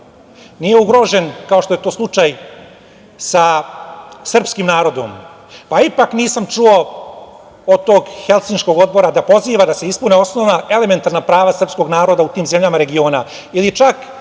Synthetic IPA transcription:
nije̞uɡɾo̞ʒe̞nkao̞ʃt̪o̞je̞t̪o̞ːslˠut͡ʂaj | sa | sr̩pskimnaːɾo̞d̪o̞̰m | paipakniːsamt͡ʃuo | od̪̚t̪o̞ːɡxe̞lˠt̪sinsko̞ɡo̞d̪̚bo̞ɾad̪apo̞ziːʋad̪ase̞ispuneo̞snoʋnaʔe̞le̞me̞nt̪aɾnapɾaːʋasr̩psko̞ɡnaːɾo̞d̪aut̪iːmze̞mʎamaɾe̞ɡio̞ːna | ilit͡ʃak

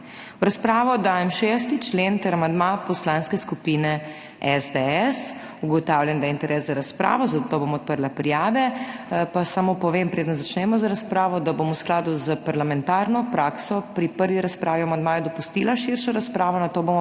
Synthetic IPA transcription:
ɾaspɾaːʋɔd̪aːjɛmʃɛs̬t̪it͡ʃlent̪ɛɾamand̪mapɔslanskɛskupiːnɛ | ɛzd̪ɛɛs | uɡɔt̪awljɛnd̪ajɛint̪ɛɾɛːszaɾaspɾʔa̰ːʋɔzɐt̪t̪oːbomɔɔt̪̚pəɾlapɾijaːʋɛpasamopɔʋempɾeːd̪ənzat͡ʃnɛmɔzaɾaspɾaːʋɔd̪abomusklaːd̪uzəpaɾlamɛnt̪aːɾnɔpɾaːksɔpɾipəɾʋiɾaspɾaːʋiamand̪maːjɛd̪ɔpust̪ilaʃiɾʃɔɾaspɾaːʋɔnat̪oːbomɔ

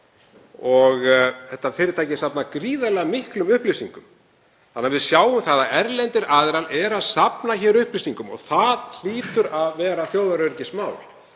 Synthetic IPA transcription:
ɔɣθɛht̪ːafɪːɾɪt̪ʰaːjcɪsapnakɾiːðalɛɣamɪhklʏmʏhplisiŋkʏm | θanːavɪðsjaːwʏmθaðaɛɾlɛnt̪ɪɾaːðɪɾalɛɾaðsapnaçɛːɾʏhplisiŋkʏmɔ̰ɣθaðl̥iːt̪ʏɾaðvɛːɾaθjoːwðaɾœɾcɪsmaːwl

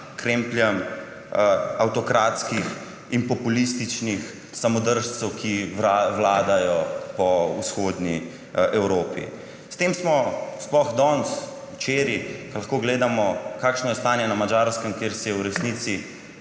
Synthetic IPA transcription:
kɾempljɛm | awt̪ɔkɾaːt̪skix | inpɔpulist̪it͡ʃnix | samɔd̪əɾʃt̪səwkʰiaʋlaːd̪ajɔpɔusxoːd̪ni | ʔɛwɾoːpḭ | st̪eːmsmɔsplɔɣd̪ɔns | wt͡ʃeːɾikɐlaxkoːɡleːd̪amɔkaːkʃnɔjɛst̪aːnjɛnamad͡ʒaɾskəmkeːɾsijɛwɾɛsnit̪si

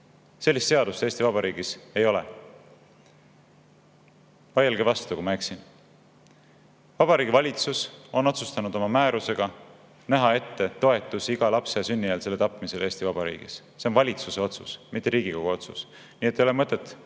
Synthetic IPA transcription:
se̞lːist̪seɑd̪̥ust̪eːst̪ivɑbɑɾiːɡ̥ise̞jo̞lḛ | vɑjelɡevɑst̪ukumɑeksin | vɑb̥ɑɾiːɡivɑlʲit̪suso̞no̞t̪sust̪ɑnud̪o̞mɑmæːɾuse̞ɡ̥ɑ | næɦɑe̞t̪ːe̞t̪o̞e̞t̪ːˑusiɡɑlɑpseɑsynʲːijɑlse̞lːe̞t̪ɑpːˑmise̞le̞ːst̪ivɑb̥ɑɾḭːɡ̥ḭs | se̞onvɑlʲit̪suse̞o̞t̪sṵsmit̪ːˑeɾiːɡiko̞ɡ̥uot̪sṵs | niːet̪ːˑejolemɤt̪ˑːet̪ːˑ

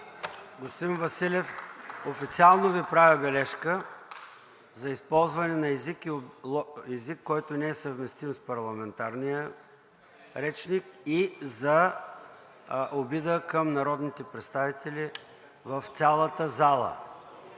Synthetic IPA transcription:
ɡʊst̪vinvɐsilʲɛfofit̪sialˠnovipɾavʲəbɛlɛʃkə | zɐispɔlˠzvɐnɛnɐɛzik | ɛzikːɔjt̪onɛɛsəvmɛst̪imspɐɾlˠɐmɛnt̪aɾnijə | ɾɛt͡ʃnikizɐ | ʔobid̪əkəmnɐɾɔd̪nit̪ɛpɾɛt̪st̪avit̪ʰɛli | vəft̪sʲalˠət̪əzalˠə̰

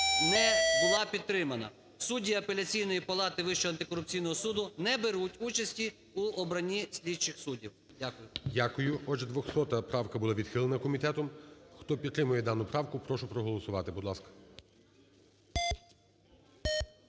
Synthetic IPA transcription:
nɛbʊlˠɑpʲid̪ɾɪmɐnɐ̰ | sudʲiɐpelʲɐt͡sʲijnɔjipɐlˠɑt̪ɪʋɪʃt͡ʃɔɐnt̪ɪkɔɾʊp̚t͡sʲijn̪ɔɦɔsud̪ʊnɛbeɾutʲut͡ʃɐsʲtʲi | uɔbɾɐnʲisʲlʲidt͡ʃɪxsudʲiw | dʲakʊjʊdʲakʊjʊɔd͡ʒɛd̪ʋɔxsɔt̪ɐpɾɑwkɐbʊlˠaʋʲid̪̥xɪlˠenɐkɔmʲit̪ɛt̪ɔmxt̪ɔpʲid̪t̪ːɾɪmʊjɛd̪ɑnʊpɾɑwkʊpɾɔʃʊpɾɔɦɔlˠɔsʊʋɑt̪ɪbud̪lˠɑskɐ̥

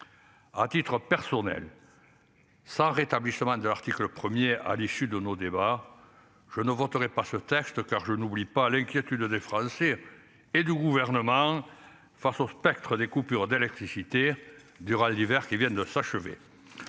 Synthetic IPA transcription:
a̰t̪it̪χəpɛʁsɔnɛ̰l | sɑ̃ʁet̪ablisəmɑ̃d̪əlaʁt̪ikləpχəmjea̰lisyd̪ənod̪eba | ʒ̥ənəvɔt̪əʁɛpasət̪ɛkst̪əkaʁʒənublipalɛ̃ŋkʲjet̪yd̪d̪efχɑ̃seː | d̪yɡuvɛʁnəmɑ̃ | fasospɛk̚t̪χəd̪ekupyʁd̪elɛk̚t̪χisit̪e | d̪yʁald̪ivɛʁkivjɛ̃d̪əsaʃəvḛ

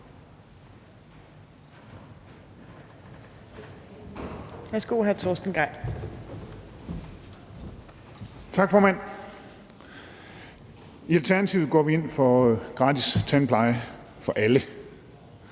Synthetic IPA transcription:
ʋæsɡ̥o̰ɦæɐt͡sʰosd̥n̩ɡ̥ʁɑɪ̰d̥ | t͡sʰɑ̈ɡ̥fɒːmæn̰ | iælt͡sʰæɐnæt͡sʰiʊð̩ˠɡ̥ɒ̰ʋie̝n̰fɒ̽ɡ̥ʁɑ̈ːt͡sist͡sʰænpʰlɑ̈ɪə | fɒ̽ʔælə

